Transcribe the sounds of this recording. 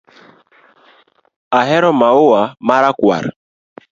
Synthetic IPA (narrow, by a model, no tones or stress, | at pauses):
aɦɛɾɔmaʊamaɾakwa̰ɾ